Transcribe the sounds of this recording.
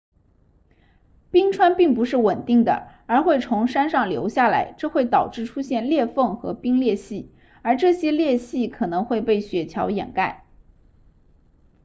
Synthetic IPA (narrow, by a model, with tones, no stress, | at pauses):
pi˥ŋʈ͡ʂʰwa˥npi˥˩ŋpu˧˥ʂɻ̩˥˩wə˨˩nt̪i˥˩ŋd̪ə̰˩ə˞˧˥xwe˥˩ɪt͡sʰʊ˧˥ŋʂa˥nʂɑ˥˩ŋljo˧˥ʊɕja˥˩la̰˧˥ɪʈ͡ʂɤ˥˧xwe˥˩ɪt̪ɑ˨˩ʊʈ͡ʂɻ̩˥˩ʈ͡ʂʰu˥ɕjɛ˥˧nljɛ˥˧fɤ˥˩ŋxɤ̰˧˥pi˥ŋljɛ˥˧ɕi˥˩ | ə˞˧˥ʈ͡ʂɤ˥˩ɕjɛ˥ljɛ˥˧ɕi˥˩kʰɤ˨˩nɤ˧˥ŋxwe˥˧ɪpe˥˩ɪɕɥɛ˨˥t͡ɕʰjɑ˧˥ʊjɛ̰˨˩nka˥˩ɪ